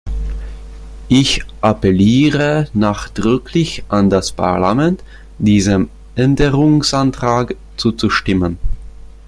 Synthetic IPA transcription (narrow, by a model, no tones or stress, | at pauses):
ʔɪçʔapɛliːʁənaːχd̥ʁʏkʰlɪçʔandaspʰa̰ɐlamɛnt | d̥iːzəm | ʔɛndəʁʊŋsʔantʁ̥aːk | t͡suːt͡suʃtɪmən